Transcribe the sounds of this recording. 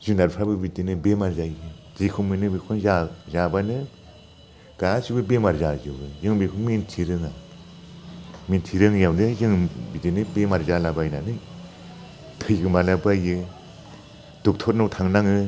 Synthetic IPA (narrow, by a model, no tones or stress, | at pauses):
zunaɾpʰɾabɯbidinɯbemaɾzajɯ | zikʰuŋmɯnɯbikʰɔnzazabanɯ | ɡ̥aːsʰibɯbemaɾzazɯbɯzɯŋbekʰuŋmintʰiɾɯŋa | mintʰiɾɯŋjawdɯzɯŋbidinɯbemaɾzalabajnanɯ | tʰɯjkmalabajɯ | d̥uk̚tʰɔt̚nɔwtʰaŋnaŋɯ